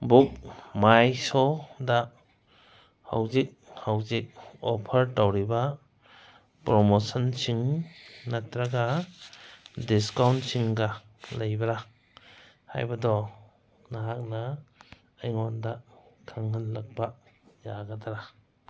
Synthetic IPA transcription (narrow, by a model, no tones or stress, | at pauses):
buk̚majsɔda | ha̰wzik̚hawzik̚ɔpʰɐɾtawɾiba | pɾomosɔnsiŋnatɾaɡa | diskawntsiŋɡalajbaɾa | ha̰jbadɔ | naɦak̚na | ajŋɔndakʰaŋhanlak̚bajaɡataɾa